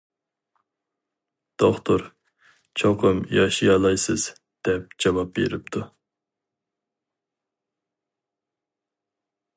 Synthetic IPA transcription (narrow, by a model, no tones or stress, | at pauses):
d̪̥oχt̪ʰoɾ | t͡ʃʰoqʰɨmjɑʃijɑlˠɑjsɨz̥ | d̪̥ɛp̚d͡ʒɑvɑp̚bḛɾɪp̚t̪ʰu